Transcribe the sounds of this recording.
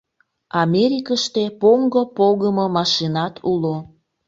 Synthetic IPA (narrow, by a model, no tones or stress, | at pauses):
ɑmʲeɾikəʃt̪epoŋɡopoɣəmomɑʃinɑt̪ʰulo